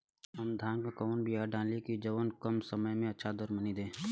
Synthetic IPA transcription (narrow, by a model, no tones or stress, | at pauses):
ɦɐmd̪ʱãːŋɡkɔːnbʱijaɖʱãːlikid͡ʒɐʋənkəmsəməjmẽɐtːʃʰad̪əɾmənid̪ẽː